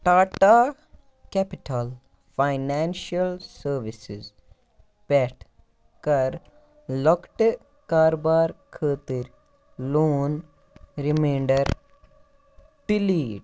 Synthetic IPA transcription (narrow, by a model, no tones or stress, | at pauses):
ʈaːʈa | kɛpiʈʰal | fajnaːnʃɐlsəɾʋisiz | pɛʈʰ | kɐɾ | lɔkʈ | kaːɾobaːɾkʰəːt̪iɾ | loːn | ɾimẽːɳɖəɾ | piliːʈ